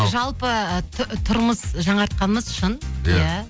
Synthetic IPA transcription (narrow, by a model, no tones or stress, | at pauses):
ʒɑlˠpət̪ʰt̪ʰʊɾməsʒɑɴɑɾt̪̚qɑnməzʊʃʊnjjæ